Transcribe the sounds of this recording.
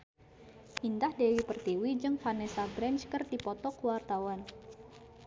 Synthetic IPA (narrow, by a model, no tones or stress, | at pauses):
ʔindahdewipərt̪iwid͡ʒɨŋfanɛsabɾɛnt͡ʃkərdipɔt̪ɔkuwart̪awan